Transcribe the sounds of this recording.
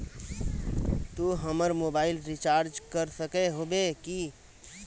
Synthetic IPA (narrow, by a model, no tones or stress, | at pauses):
t̪uɦəməɾmobaːɪlɾit͡ʃaːɾd͡ʒkəɾsəkeɦobeki